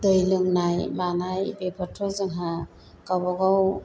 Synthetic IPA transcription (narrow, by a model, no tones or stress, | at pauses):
d̪ɯjlɯŋnajmanajbepʰɔtʰɔzɯŋɦa | kabɔɡaw